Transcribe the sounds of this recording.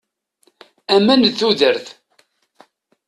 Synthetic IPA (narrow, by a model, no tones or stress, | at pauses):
æmænəθuðəɾθ